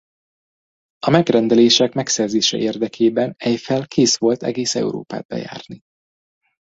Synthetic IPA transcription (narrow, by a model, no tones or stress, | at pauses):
ɒmɛɡrɛnd̪ɛleːʃɛkmɛksɛrzeːʃɛ̰ʔeːrd̪ɛkʰeːbɛnɛjfɛlkʰeːsʋo̞lt̪ɛ̰ɡeːsɛ̰uɾo̰ːpa̰ːd̪̚bɛ̰ja̰ːrni